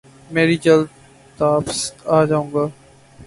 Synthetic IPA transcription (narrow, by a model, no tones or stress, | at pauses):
meːɾid͡ʒəld̪ | t̪aːpsaːd͡ʒaːũːŋɡaː